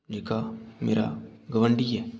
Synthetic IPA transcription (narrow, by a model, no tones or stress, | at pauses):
d͡ʒeːkamḛːɾa̰ɡəʋəɳɖiɦɛː